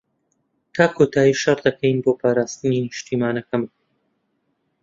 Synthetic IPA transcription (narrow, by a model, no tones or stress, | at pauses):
t̪ʰaːkʰoːt̪ʰaːjiːʃɐrd̪ɐkʰɛjnboːpʰaːɾaːst̪ɨninɨʃt̪ʰiːmaːnɐkɐm